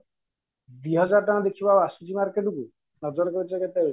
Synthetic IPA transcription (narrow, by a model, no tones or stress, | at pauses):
d̪wiɦɔd͡ʒaɾɔʈɔnɔ̃d̪ekʰibaasud͡ʒimaɾkeʈuku | nɔd͡ʒɔɾɔkɔɾit͡ʃaket̪e